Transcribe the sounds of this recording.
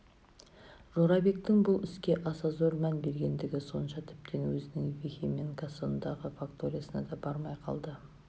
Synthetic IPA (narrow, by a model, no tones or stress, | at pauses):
ʒo̞ɾɑbe̞k̚t̪ɪŋbʊlˠɪskʲe̞ʔɑsɑzoɾmænbe̞ɾɡʲe̞nd̪ɪɡʲɪso̞nʃɑt̪ʰɪ̥p̚t̪ʰenwɵzɪnɪŋvexʲemeŋkasəənd̪ɑʁəfakt̪oɾijasənɑd̪ɑbɑɾmɑjqʰɑ̰lˠd̪ə